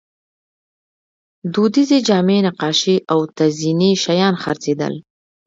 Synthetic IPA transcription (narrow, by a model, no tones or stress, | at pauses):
d̪od̪ized͡ʒɑmenaqɑʃiʔawt̪azineʃajɑnxa̰ɾt͡sed̪ə̰l